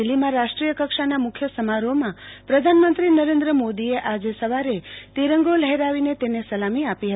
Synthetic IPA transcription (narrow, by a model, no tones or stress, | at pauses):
ilːimãɾaʃʈɾijəkəkʃanamʊkʰjəsəmaɾomãpɾəd̪ʱanmənt̪ɾinəɾẽnd̪ɾəmod̪ieʔad͡ʒesəʋaɾet̪iɾəŋɡoləɦɛɾaʋinet̪enesəlamiapiɦət̪i